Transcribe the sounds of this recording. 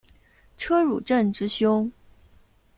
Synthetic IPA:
ʈ͡ʂʰɤ˥ɻṵ˨˩ʈ͡ʂə˥˩nʈ͡ʂɻ̩˥ɕjʊ˥ŋ

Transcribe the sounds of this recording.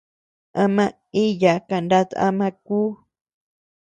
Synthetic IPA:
ã˧mã˧ | i˦ja˨ka˧˨nda˦t̪a̰˦mã˧kuː˦

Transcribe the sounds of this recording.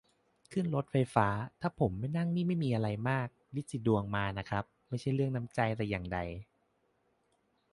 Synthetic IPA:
kʰɯ˥˩nlo˦˥t̪̚fa˧jfaː˦˥t̪ʰaː˥˩pʰo˩˦mːa˥˩jna˥˩ŋniː˥˩ma˥˩jmiː˧ʔa˧ɾa˧jmaː˥˩k̚di˦˥˩si˨˧˩du˧əŋmaː˧na˦˥kʰɾa˦˥p̚ma˥˩jt͡ɕʰa˥˩jɾɯ˥˩əŋna˦˥mt͡ɕa˧jt̪ɛ˧˩jaː˨˩ŋda˧j

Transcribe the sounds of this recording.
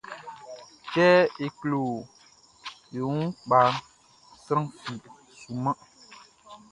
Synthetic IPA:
kɛː˦e˨klo˨ | jo˨ũ˦k͡pa˨n | sɾã˦ŋfi˨ | su˨ma˦

